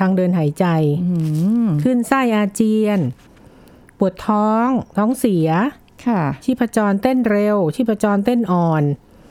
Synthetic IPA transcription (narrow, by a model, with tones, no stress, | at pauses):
t̪ʰaː˧ŋdɤː˧nɦaː˩˦jt͡ɕa˧j | kʰɯ˥˩nsa˥˩jʔaː˧t͡ɕi˧ən | pu˨˩ət̪ʰːɔː˦˥ŋt̪ʰɔː˦˥ŋsi˩˦ɐ | kʰa˥˩t͡ɕʰiː˥˩pʰːa˧t͡ɕɔː˧nt̪e˥˩nɾe˧wt͡ɕʰiː˥˩pʰa˧t͡ɕɔː˧nt̪e˥˩nʔɔː˧˩n